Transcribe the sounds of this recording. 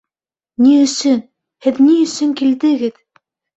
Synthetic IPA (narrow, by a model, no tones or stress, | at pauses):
niɵ̆sɘn | hɘðniɵ̆sɘŋkild̪ɘ̆ɡɘð